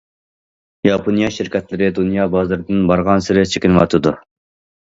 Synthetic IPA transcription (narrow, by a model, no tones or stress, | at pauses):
jɑpʰonijɑʃɪɾkʲɛt̪lɪɾɪd̪unjɑːbɑːzɨɾɪd̪ɪnbɑɾʁɑnsɪɾɪt͡ʃʰekʲinɨwɑt̪ʰɨd̪u